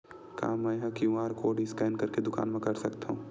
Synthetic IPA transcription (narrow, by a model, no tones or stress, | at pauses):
ka̰ːmɛ̃ɦãkiũaːɾkoːɖiskɛːnkɐɾked̪ʊka̰ːnmẽkɐɾsɐkt̪aɦũː